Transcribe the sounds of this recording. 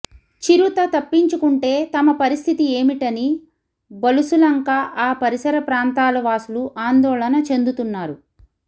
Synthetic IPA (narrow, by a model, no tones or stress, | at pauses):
t͡ʃiɾut̪ɐt̪ɐpːiɲt͡ʃukuɳʈe̞ːt̪ɐmɐpɐɾist̪ʰit̪ie̞ːmiʈɐni | bɐlusulɐŋkaʔaːpɐɾisɐɾɐpɾaːnt̪aːlɐʋaːsuluʔaːnd̪ɔːlɐnɐt͡ʃe̞nd̪ut̪unːaːɾu